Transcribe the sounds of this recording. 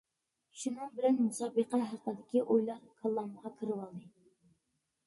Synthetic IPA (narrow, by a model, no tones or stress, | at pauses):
ʃunɨŋbɪlɛnmusɑːbəqæɦæɾqəd̪ɪkʲiʔojlˠɑɾkʰɑlˠːɑnməʁɑkʰɨɾɨwɑlˠd̪ɨ